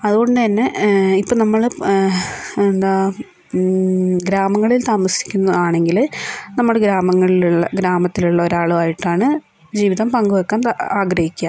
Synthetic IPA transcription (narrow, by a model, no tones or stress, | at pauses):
ɐðuɣo̞ɳɖɨt̪ɐnːe̞ipːoːnɐmːɐɭ | end̪aː | ɡɾaːmɐŋːɐɭilt̪aːmɐsi̥kʲːunːɐðaːɳe̞ŋɡilnɐmːuɽeɡɾaːmɐŋːɐɭiluɭːɐɡɾaːmɐt̪ːiluɭːɐo̞ɾaːɭuaːjiʈːaːɳɨ | d͡ʑiːʋiðɐmpɐŋɡuʋɐkːaːnaːɡɾɐhikʲːaːm